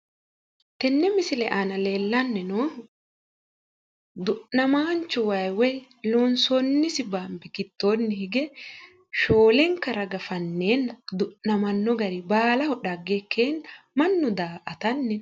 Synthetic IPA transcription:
t̪ɛnːɛmɪsɪlɛʔaːnɐle̞ːlːɐnːɛnoː | d̪ʊʔnɐmaːnt͡ʃːʊwɐjwɐj | loːnsɔnːɪsɪbaːmbɪkɪt̪ːo̞ːnːɪhɪɡɛ | ʃoːlɛŋkɐɾɐɡɐfɐnːeːnːɐd̪ʊʔnɐmɐnːɔɡɐɾɪbaːlɐhɔᶑɐɡekʰːeːnmɐnːʊd̪aːʔɐt̪ɐnːɛ

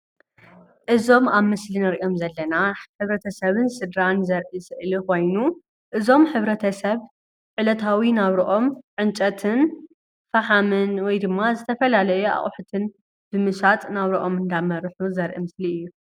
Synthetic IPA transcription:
ʔɨzo̞maβmɨslinɨɾʔjo̞mzɐlːɐnaħɨβɾɐt̪ʰɐsɐβɨnsɨd̪ɾanzɐɾʔisɨʔlixo̞jnu | ʔɨzo̞mħɨβɾɐt̪ʰɐsɐβ | ʕɨlɐt̪ʰawinaβɾɐʔo̞mʕɨnt͡ʃʼɐt̪ʰɨn | fɐħamɨnwɔjd̪ɨmːazɨt̪ʰɐfɐlalɐjua̰χʼħut̪ʰɨn | b̥ɨmɨʃat̪ʼnaβɾɨʔo̞mɨnd̪amɐɾħuzɐɾʔḭmɨsliɨjːu

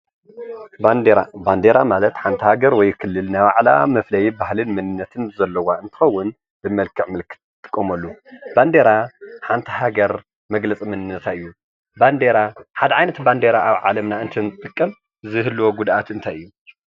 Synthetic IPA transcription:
band̪eɾamalɐt̪ħant̪ʰihaɡɐɾwɔjkʰɨlːɨlnaβaʕla̰mɐflɐjibahlɨnmɐnɨnːɐt̪ʰɨnzɐlːɐwaɨnt̪ʰɨ̥xɐwːʊn | b̥ɨmɐlkʰːɨʕmɨlkʰːɨ̥t̪̚t̪ʰʼːɨ̥kʼːɐmɐlːuband̪eɾaħant̪ʰi̥ɦaɡɐɾ | mɐɡlɐt͡sʼimɨnɨnːɐt̪ʰaɨjːu | band̪eɾaħad̪ɐʕajnɐt̪band̪eɾaaβʕa̰lɐmnaɨnt̪ʰɐnt̪ʼɨkʼːɐm | zɨɦɨlːuwoɡud̪ʔat̪ɨnt̪ʰajʔɨjːu

